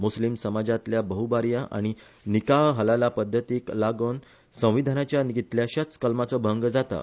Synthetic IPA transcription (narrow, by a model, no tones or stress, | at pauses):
muslimsəmad͡zat̪ljabəɦubaɾjaʔa̰ɽ̃i | nikaɦɦəlalapəd̪ʱːət̪iːklaɡən | sə̃w̃ʋid̪ʱanat͡ɕjaniɡit̪ljaɕat͡skəlmat͡sɔbʱəŋɡd͡zat̪a̰